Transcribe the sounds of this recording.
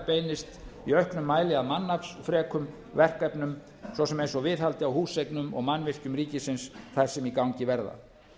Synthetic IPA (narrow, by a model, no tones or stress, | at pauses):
pejnɪst̪iœhknʏmːaːjlɪaðmanːafsfɾɛːkʰʏm | vɛr̥kɛpnʏm | sɔsɛmejnsɔvɪðhalt̪ɪawhuːsejknʏmɔ̰ɣmanːvɪr̥cʏmɾiːcɪsɪnsθajɾ̥sɛmikawɲcɪvɛɾða̰